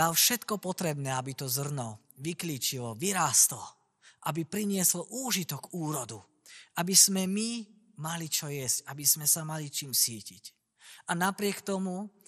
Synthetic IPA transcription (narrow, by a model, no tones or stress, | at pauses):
alfʃɛt̪kɔpɔt̪ɾɛbnɛːabit̪ɔzr̩nɔ | ʋikliːt͡ʃilɔʋiɾaːst̪lɔ | ʔabipɾiɲɪɛslɔʔuːʒit̪ɔkuːɾɔd̪u | ʔabiz̥mɛmi | malit͡ʃɔjɛscabiz̥mɛsamalit͡ʃiːmsiːcic | ʔanapɾɪɛkt̪ɔmu